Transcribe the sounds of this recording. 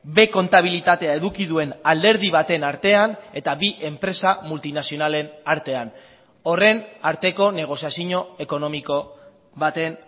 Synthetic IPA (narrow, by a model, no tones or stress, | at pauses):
be̞ko̞nt̪aβ̞ilit̪at̪e̞ae̞ðukiðue̞nald̪e̞ɾð̞iβat̪e̞naɾt̪e̞ane̞t̪aβiʔe̞mpɾe̞samult̪inasio̞nale̞naɾt̪e̞an | o̞re̞naɾt̪e̞ko̞ne̞ɣ̞o̞siasiɲo̞e̞ko̞no̞miko̞ | βat̪e̞n